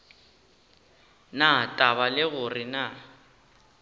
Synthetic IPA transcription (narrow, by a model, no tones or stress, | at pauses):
natʼaβalɪɣʊrɪna